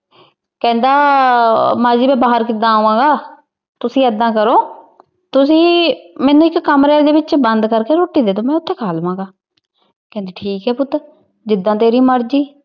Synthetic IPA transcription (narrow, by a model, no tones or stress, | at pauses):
kɛ̃ːnd̪aː | maːd͡ʒiːbɛ̃ːbaːɦəɾkɪd̪ãːoʋãːɡaː | t̪ʊsĩːəd̪ãːkəɾoː | t̪ʊsĩːmɛ̃ːnũːɪkːəmɾɛːd̪eːbɪt͡ʃbənd̪kəɾkeːɾoːʈːiːd̪eːt̪oːmɛ̃ːʊt̪ʰːeːkʰaːlʋãːɡaː | kɛ̃ːnd̪iːʈʰiːkɦɛːpʊt̪ɾ | d͡ʒɪd̪ːãːt̪eːɾiːməɾd͡ʒiː